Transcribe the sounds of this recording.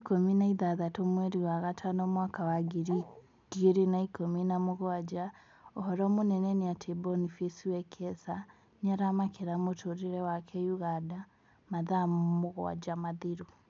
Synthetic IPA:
ikominaiðaðatomwɛɾiwaɣatʰanɔmwakawaɡeɾi | ɡ̥ieɾenaikominamoɣoad͡ʒa | ɔhɔɾɔmonɛnɛneatʰebɔnifesiwɛkʰɛsa | ɲaɾamakeɾamotʰoɾeɾɛwakʰɛjuɣada | maðamoɣw̰a̰d͡ʒamaðiɾu

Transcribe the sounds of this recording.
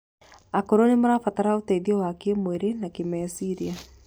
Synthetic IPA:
akɔɾɔnimaɾafataɾautaiðiawakiemweɾenakimɛsiɾia

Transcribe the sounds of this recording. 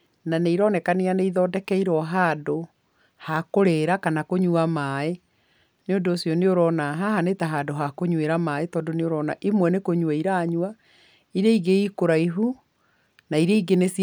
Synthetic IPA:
naneiɾɔnɛkanianeiðɔːdɛkɛiɾɔɦaːdo | hakoɾeɾakanakoɲuamaːe | neondoːsijɔneoɾɔːnaɦaɦanetɛɦaːdoɦakoɲweɾamaːetɔːndoneoɾɔna̰ʔimwɛnekoɲwɛiɾaːɲwa | iɾeiɡeikoɾaiɦu | naiɾeiɡenes

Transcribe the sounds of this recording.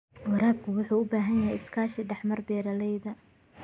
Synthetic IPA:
wɐɾaːb̚kʰʊwʊħuːʊbaːɦɐnjɐɦɛjɪskʰaːʃɪɖɛħmɐrbɛːɾɐlɛjðɐ

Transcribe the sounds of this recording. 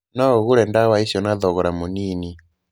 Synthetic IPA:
naɔɣoɾɛndawaisjɔnaðɔɣɔɾamoniːni

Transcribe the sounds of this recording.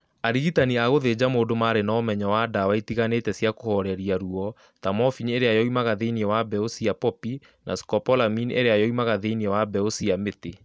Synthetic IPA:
aɾiɣitaniaɣoðed͡ʑamoːdomaːɾenaːmɛɲɔwadawaitiɣanetɛsjakohɔɾɛɾiaɾuɔ | tamɔfiɲeɾeajɔimaɣaðeiniɛwabɛosiapɔpi | nʔa̰skɔpɔlaminḛɾeajɔimaɣaðeiniɛwabɛosiamete

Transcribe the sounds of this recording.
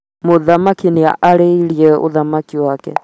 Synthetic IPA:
moðamakinea̰ʔaɾeiɾiɛo̰ðamakiwakɛ̰

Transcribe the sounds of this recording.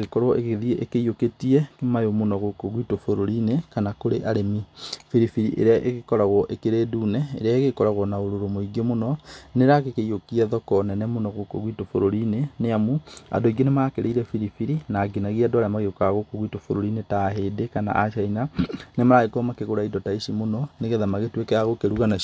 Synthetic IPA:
ɣekɔɾwɔʔeɣeðiɛʔekeioketiɛkemajomonɔɣokoɣwitofoɾoɾinekanakoɾeʔaɾemifiɾifiɾḭʔḛɾeaʔeɣekɔɾaɣɔʔekeɾeːduːnɛeɾeaeɣekɔɾaɣwɔnaoɾoɾomoiɡemonɔneɾakekeiokiɛðɔkɔnɛnɛmonɔɣokoɣwitofoɾoɾineneamua̰doiɡenemaːkeɾeiɾɛfiɾifiɾinaːɡinaɣiadoaɾamaɣeokaɣokoɣwitofoɾoɾinetaɦedekana̰ʔaʃainanemaɾaɣekomakeɣoɾaidɔtaiʃimonɔneɣɛðamaɣetwekɛaɣokeɾuɣana

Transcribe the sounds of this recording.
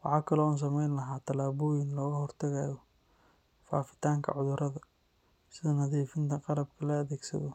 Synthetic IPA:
wɑħɑːkʰɐlɔːuːns̬ɐmɛjnlɐɦaːt̪ʰɐlaːβuːjɪnlɔːɣɐhɔrt̪ʰɐɣaːjɔ | fa̰ːfɪ̥t̪ʰaːŋkʰɐ̰ʕʊðʊɾʔɐðɐ | sɪðɐnɐðiːfɪnt̪ʰɐqɑlɐbkʰɐlɐɐðɛːɡsɐ̰ðɔ

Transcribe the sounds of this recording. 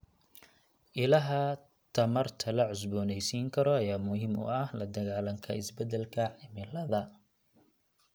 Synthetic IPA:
ʔɪlɐɦɐ | t̪ʰɐmɐrt̪ʰɐlɐʕʊs̬bɔːnɛjsiːŋkʰɐɾɔɐjaːmʊhɪmʊ̰ɐhlɐd̪ɐɣaːlɐŋkʰɐ̰ɪsbɛd̪ɛlkʰɐʕɪmɪlɐðɐ

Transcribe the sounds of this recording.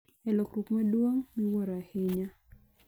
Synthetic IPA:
ɛlokɾokmadwoŋniwɔɾaheɲa

